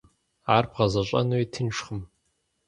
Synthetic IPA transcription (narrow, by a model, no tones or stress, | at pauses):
aːrbʁɐzɐɕʼɐ̰nuwitʰɨnʂχəm